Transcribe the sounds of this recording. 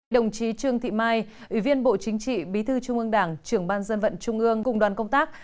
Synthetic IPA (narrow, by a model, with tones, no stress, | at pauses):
ɗə˨˩wŋ͡mt͡ɕi˨˦t͡ɕɨ˧əŋt̪ʰḭ˧˨maː˧j | ʔʔwi˧˩vi˧ənɓo̰˧˨t͡ɕï˨˦ŋ̟t͡ɕḭ˧˨ɓi˨˦t̪ʰɨ˧t͡ɕʊ˧ŋ͡mʔɨ˧əŋɗaː˧˩ŋt͡ɕɨ˧˩əŋɓaː˧nzə˧nvə̰˧˨nt͡ɕʊ˧ŋ͡mʔɨ˧əŋkʊ̰˧˩ŋ͡mɗwaː˨˩nkə˧wŋ͡mt̪aː˦˥k̚